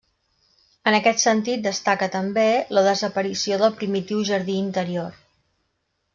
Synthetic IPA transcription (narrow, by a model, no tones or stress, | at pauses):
ənəkɛt̪sənt̪it̪̚d̪əst̪akət̪əmbeləðəzəpəɾisioðəlˠpɾimit̪iwʒəɾðiːnt̪əɾior